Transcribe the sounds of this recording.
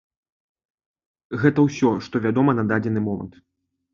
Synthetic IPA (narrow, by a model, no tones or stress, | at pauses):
ɣɛt̪ɐwsʲɔʂt̪ɔvʲad̪ɔmɐnad̪ad͡zʲɛnɨmɔmɐ̰nt̪